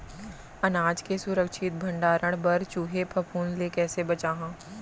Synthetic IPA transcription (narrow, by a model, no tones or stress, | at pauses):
ɐnaːd͡ʒkesʊɾəkʃɪt̪̚bʱɐ̃ɳɖaːɾʔəɽ̃bɐɾt͡ʃuːɦepʰɐpʰuːnlekɛːsebɐt͡ʃaːɦãː